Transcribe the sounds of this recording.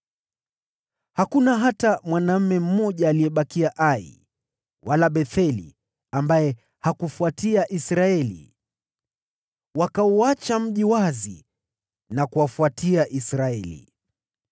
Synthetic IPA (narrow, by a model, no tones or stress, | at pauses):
hakunaɦatamwanam̩mɛm̩mɔʄaːlijɛɓakiaʔaḭ | wʔalaɓɛθɛlḭ | ambajɛ | hakufuatiaʔisɾaɛlḭ | wakauat͡ʃam̩ʄiwazḭ | nakuwafuatiaʔisɾaɛlḭ